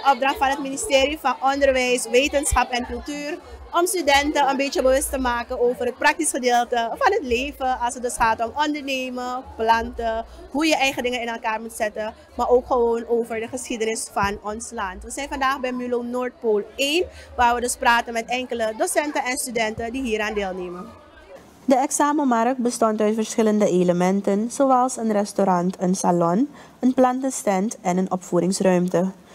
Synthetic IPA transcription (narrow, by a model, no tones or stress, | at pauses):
əʔɔp̚drɑχtfɑnɦətministɪːɾifɑnʔɔndəɹʋɛjsʋeːtənsχɑpɛnkɵlˠtyːrʔɔmstydɛntəənbet͡ʃəbəʋɵstəmaːkənoːvərɦət̚prɑk̚tisχədeːlˠtəfɑnɦətleːvəɑlˠsətdøsχaːtɔmɔndəɹneːməplɑntəɦujəʔɛjχədɪŋəɪnɛlˠkaːɹmutsɛtə | maːɹoːkχəʋoːnoːvəɹdəχəsχidənɪsfɑnɔnslɑntʋəzɛjnfɑndaːχbɛjmylonoːɹt̚poːlˠenʋaːɹʋədɵspraːtənmɛtɛŋkələdosɛntənɛnstydɛntədiɦiːɾaːndeːlˠneːmən | dəɛksaːməmɑrk̚bəstɔntœɥtfəɹsχɪləndəeləmɛntənsoɑlˠsənrɛstoɾɑntʰənsalɔn | ənplɑntəstɛntɛnənɔpfuːɾɪŋsrœɥmtə